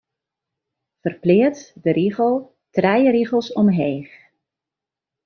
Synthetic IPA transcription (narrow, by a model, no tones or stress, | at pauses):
v̥ərplɪːtdəɾiɣəlˠ | trɛjəɾiɣəlˠsɔmɦeːx